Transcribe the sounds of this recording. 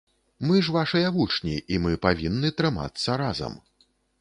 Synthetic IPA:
mɨʐvaʂɐjɐvut͡ʂnʲiʔimɨpavʲinːɨt̪ɾɨma̰t̪sːɐɾazɐ̰m

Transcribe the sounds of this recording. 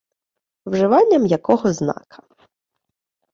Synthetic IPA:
wʒɪʋɑnʲːɐmjɐkɔɦɔznɑ̰kʰɐ̥

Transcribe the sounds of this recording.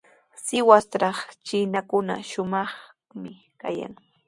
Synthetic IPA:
sɪwast̪ɾɑχt͡ʃɪnakʊna̰ʃʊmɑχ | mɪ | kaja̰ŋ

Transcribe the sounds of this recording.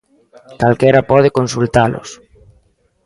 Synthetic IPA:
kalkeɾapɔð̞ekonsult̪alʔo̰s

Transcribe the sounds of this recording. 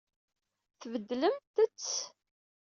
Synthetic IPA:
θvəd̪ːləmt̪ət͡sː

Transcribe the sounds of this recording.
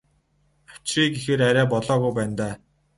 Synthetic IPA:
ḁt͡ɕriːɡexeːɾæɾʲæːpɔɮɔːɣujpæːnt̪æː

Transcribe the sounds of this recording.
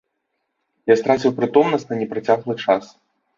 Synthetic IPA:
jast̪ɾat͡sʲiwpɾɨt̪ɔmnɐsʲtʲnɐnʲɛpɾat͡sʲaɣlˠɨt͡ʂas

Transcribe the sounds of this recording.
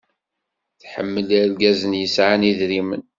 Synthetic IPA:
θħə̰mːəllɡæzənjəsʕaniðɾimən

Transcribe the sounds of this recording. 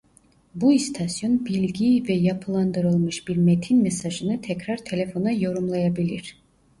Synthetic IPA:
buist̪ʰasjonbilʲɡiːvɛjapʰɯlˠand̪ɯɾɯlˠmɯʃbiɾmet̪ʰinmɛsaʒɯnɯt̪ʰɛkɾaɾt̪ʰe̞lʲefo̞najo̞ɾumlˠajabilʲiɾ̥

